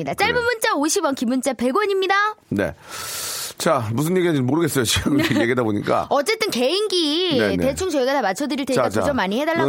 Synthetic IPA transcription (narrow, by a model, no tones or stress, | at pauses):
idat͡ɕ͈aɭbɯmunt͡ɕ͈aoɕʰibʌnkimunt͡ɕ͈ape̞ɡwʌɲimɲidane̞̰ | t͡ɕamus̬ʰɯnjeɡiad͡ʑɯmoɾɯɡes͈ʌjot͡ɕiɡɯjeɡiedaboɲḭk͈a̰ʌt͡ɕ͈e̞t͈ɯnke̞inɡiete̞t͡ɕʰuŋt͡ɕoiɡatamat͡ɕʰʌdɯɾiɭtekaod͡ʑʌmːaɲihedaɭːa